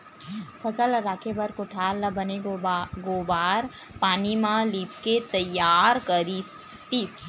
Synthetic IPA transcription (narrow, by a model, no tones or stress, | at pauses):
pʰɐsəlɾaːkʰebɐɾkʊʈʰaːlnɐ̃bʱəneɡobaːɾ | paːnimãliːpket̪əjaːɾkəɾi | t̪i